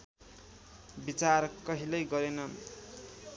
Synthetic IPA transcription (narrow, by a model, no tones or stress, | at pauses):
bit͡sarkʌɦilʌjɡʌɾenʌn